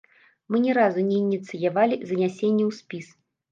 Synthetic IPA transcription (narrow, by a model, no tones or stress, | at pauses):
mɨnʲɛɾazunʲɛːnʲit̪sɨjavalʲizɐnʲasʲenʲːɛwsʲpʲis